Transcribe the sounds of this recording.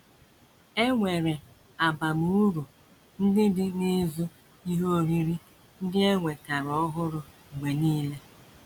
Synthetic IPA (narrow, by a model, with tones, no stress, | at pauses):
e˦ŋʷe˨ɾe˨ | a˨ba˨mu˨u˦ɾu˨ | n̩˦dɪ˦dɪ˦ne˦zo˦ | i˦ɦo˦˨ɾi˦ɾi˦ | n̩˦dɪ˦e˦ŋʷe˨ka˨ɾɔ˦ɦʊ˦ɾʊ˨ | ɡ͡be˨niː˦le˦